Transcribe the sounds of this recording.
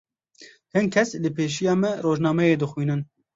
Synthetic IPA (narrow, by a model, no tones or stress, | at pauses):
hɨnkʰɛslɨpʰeːʃ̬ijɑːmɛroːʒnɑːmɛjeːd̪ɨxwiːnɨn